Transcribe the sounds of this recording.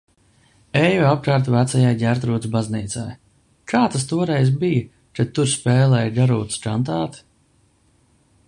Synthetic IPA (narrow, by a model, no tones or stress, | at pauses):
ɛjɔap̚kaːɾt̪væt̪sajajɡʲæɾt̪̬ɾuːt̪sbazniːt̪sa̰j | kʰaːt̪ast̪uɔɾɛjzbija | kat̪ːuɾspɛːlˠɛjɡaɾṵːt̪skant̪aːt̪